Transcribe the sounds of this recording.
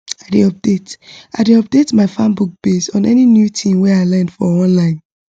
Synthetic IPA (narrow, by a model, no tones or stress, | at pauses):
aɪdeɔp̚d̥etaɪdeɔp̚d̥etmaɪfãmbuk̚b̥esɔ̃nɛ̰ninjutʰĩmwɛaɪlɛ̃ndfɔɔ̃nlãɪ̃n